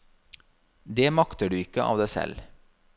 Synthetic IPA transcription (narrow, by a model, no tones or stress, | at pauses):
d̪eːmɑkt̪əɖʉːɪkːəʔɑ̰ːʋd̪æːsɛ̰l